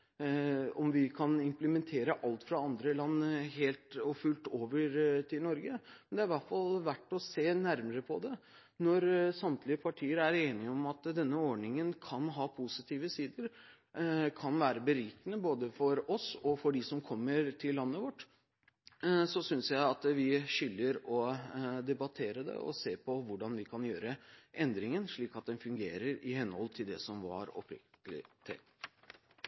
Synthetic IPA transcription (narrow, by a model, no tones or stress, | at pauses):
ɔmʋɪkʰɑnɪmpləmɛnt̪ʰeːɾəʔɑlt̪fɾɑɑnd̪ɾəlɑnːɦeːlt̪ɔfʉlt̪oːʋəɾt̪ʰɪlnɔɾɡəmɛnd̪ɛæɾʋæʈfɑlʋæʈːɔseːnæɾməɾəpʰɔd̪ɛ | nɔɾsɑmt̪ʰlɪəpʰɑʈʰiːəɾæɾeːnɪɔmɑt̪d̪ɛnːəɔɖɳɪŋənkʰɑnɦɑːpʰusɪt̪ʰiːʋəsiːd̪əɾ | kʰɑnʋæːɾəbəɾiːkənəboːd̪əfɔɾɔsɔfɔɖɪsɔmkʰɔmːəɾt̪ʰɪlːɑnːəʋɔʈː | sɔsʏnsjæɪɑt̪ʋɪɕʏlːəɾɔd̪ɛbɑt̪ʰeːɾəd̪ɛ̰ɔ̰seːɾpʰɔʋʊɖɑnʋɪkʰɑnjøːɾəʔɛnd̪ɾɪŋənʂɭiːkɑt̪̚d̪ɛnfʉŋɡeːɾəɾɪhɛnhɔlt̪ʰɪld̪ɛsɔmʋɑ̰ɾɔ̰pʰɾɪ̰k̚t̪t̪əlɪ̰t̪ʰɪ̰